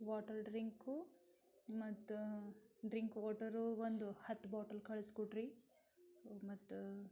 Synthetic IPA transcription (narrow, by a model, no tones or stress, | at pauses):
ʋaːʈɐɾɖɾiŋku | mɐt̪ːuɖɾiŋkʋaːʈɐɾuʋond̪uhɐt̪ːbaːʈɐlkɐɭiskoʈɾi | mɐt̪ːu